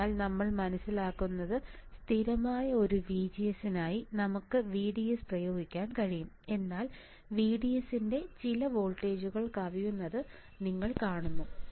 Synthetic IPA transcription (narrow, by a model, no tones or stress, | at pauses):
aːlnɐmːɐɭmɐnɐsːilaːkːunːɐðɨst̪ʰiɾɐmaːjɐo̞ɾuʋiːd͡ʑijɐsinaːjinɐmukːɨʋiːɽijesprɐjo̞ːɡikʲːaːnkɐɻijum | e̞nːaːl | ʋiːɖijesinde̞t͡ɕilɐʋo̞ːlʈːe̞ːd͡ʑuɣɐɭkaːʋijunːɐðɨ | niŋːɐɭkaːɳunːu